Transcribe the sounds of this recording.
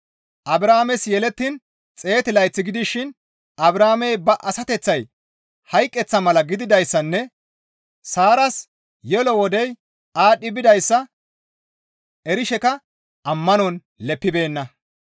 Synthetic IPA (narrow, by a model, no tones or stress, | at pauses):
ʔɐbɾaːmɛsjɛlɛt̪ːɪn | t͡sʼe̞ːt̪ɪlɐjt͡sːɪɡɪd̪ɪʃɪn | ɐbɾaːmɛjbɐʔɐsɐt̪ɛt͡sːɐj | hɐjkʼːɛt͡sːɐmɐlɐɡɪd̪ɪd̪ɐjsːɐnːɛ | saːɾɐs | jɛlɔwɔd̪ɛj | aːɗːɪbɪd̪ɐjsːɐ | ɛɾɪʃɛkɐ | ɐmːɐnɔn | lɛpːɪbe̞ːnːɐ